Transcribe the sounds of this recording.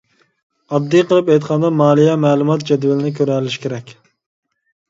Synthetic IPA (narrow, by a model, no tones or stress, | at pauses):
ɑb̚d̪ijqʰəlˠɨpɛjt̪qʰɑnd̪ɑmɑːlˠijɛmɛːlˠumɑt̪̚d͡ʒɛd̪wælɪnɪk̬ʲʰøɾɛlɪʃkʲʰeɾɛkʲ